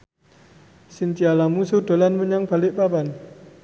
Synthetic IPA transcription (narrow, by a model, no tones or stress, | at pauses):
sint͡ʃialamusud̥o̤lanməɲaŋb̥a̤lɪʔpaban